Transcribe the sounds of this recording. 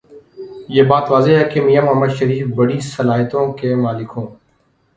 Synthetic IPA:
jeːbaːt̪ʋaːzeːɦɛːkemiːjaməːmaːʃəɾiːfbəɽiːsəlaːɦt̪õːkeːmãːlɪkʰõː

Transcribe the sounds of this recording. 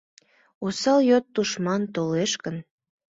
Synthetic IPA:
usɑljot̪ːuʃmɑnt̪oleʃkən

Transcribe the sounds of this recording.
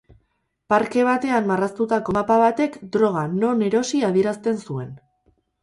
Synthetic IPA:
paɾke̞β̞at̪e̞ammarast̪ut̪ako̞mapaβat̪e̞kd̪ɾo̞ɣ̞ano̞ne̞ɾo̞siað̞ieɾast̪e̞nsue̞n

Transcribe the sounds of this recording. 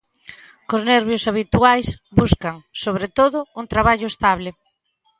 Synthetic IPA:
koznɛɾβjosaβit̪uajsbuskaŋsoβɾet̪oðʊuŋt̪ɾaβaʎʊest̪aβle

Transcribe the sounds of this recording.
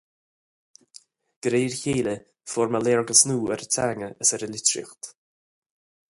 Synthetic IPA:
ɡ̥ɾeːɹçeːlə | fɔɹməleːɹɡəsnuːɛɾətʰaːŋəʔəsɛɾəlɪtɾɪ̰xt̪

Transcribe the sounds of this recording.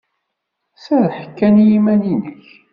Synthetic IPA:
sæðħə̥kːænjimæninəç

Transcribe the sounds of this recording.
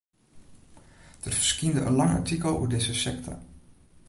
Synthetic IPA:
d̥ərfərskindəʔənlɑŋa̰tikəlˠṵədɪzəsɛk̚tʰɔ̰

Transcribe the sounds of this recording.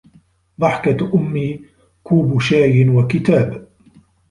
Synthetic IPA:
d̪ˤɑħkaʔʊmːiː | kuːbʊʃaːjɪnwakɪt̪aːb

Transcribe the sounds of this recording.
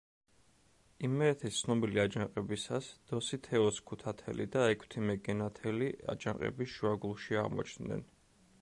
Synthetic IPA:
imːɛːt̪ʰɛst̪sʰnɔbiliad͡ʒaŋqʼɛbisasd̪̥ɔsit̪ʰɛɔskʰut̪ʰat̪ʰɛ̰lḭd̪aɛkʰt̪ʰimɛɡɛnat̪ʰɛlia̰d͡ʒaŋqʼɛ̰bisʃuaɡulˠʃiaʁmɔ̰t͡ʃʰnd̪nɛ̰n

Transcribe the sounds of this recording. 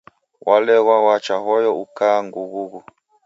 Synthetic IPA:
wʔalɛɣwawat͡ʃaɦɔjɔukaŋɡuɣuɣu

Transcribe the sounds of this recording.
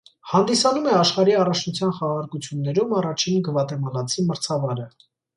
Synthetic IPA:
hɑn̪d̪isɑnumɛɑʃχɑɾiɑrɑt͡ʃʰnut͡sʰjɑnχɑʁɑɾkut͡sʰjunːɛɾumɑrɑt͡ʃʰinɡəvɑt̪ɛmɑlɑt͡sʰiməɾt͡sʰɑvɑɾə

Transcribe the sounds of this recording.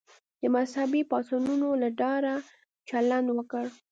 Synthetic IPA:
d̪əmashabipɑsɑnunolaɖɑɾa | t͡ʃaland̪wəkəɽ

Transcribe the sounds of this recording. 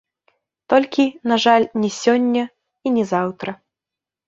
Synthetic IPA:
t̪ɔlʲkʲinaʐalʲnʲɛsʲɔnʲːɐ | inʲɛzawt̪ɾɐ

